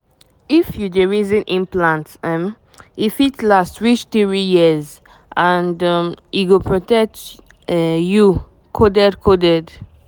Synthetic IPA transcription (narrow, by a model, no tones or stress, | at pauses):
ifjudeɹizə̃nʔĩmplãntɛm | ifitlastɹit͡ʃtiɹijiz | ʔãndmiɡopʰɹɔtɛk̚t | ju | kʰodɛdkʰodɛd